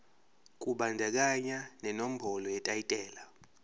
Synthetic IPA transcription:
kʼuɓandʱɛk̬ʼaɲanɛnom̩bʱɔlɔjɛtʼajitʼɛːla

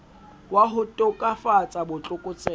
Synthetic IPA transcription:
waɦʊtʼʊkʼafat͡sʼabʊt͡ɬʼʊkʼʊt͡sʼɛ

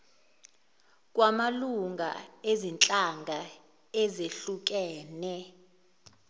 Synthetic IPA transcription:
k̬ʼwamaluŋɡʱa̰ezint͡ɬʼaŋɡʱa | ezeɬuk̬ʼɛːnɛ

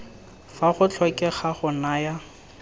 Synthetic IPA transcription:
faχʊt͡ɬʰɔkʼɛχaχʊnaja

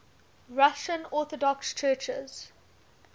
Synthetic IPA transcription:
ɹaʃə̃nɔːθɔdɔkst͡ʃʰɜːt͡ʃə̰z̥

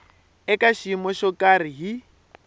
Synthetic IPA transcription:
ɛkʼaʃimɔʃɔkʼariɦi

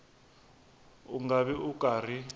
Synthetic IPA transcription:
uŋaɓɛukaːr̤i

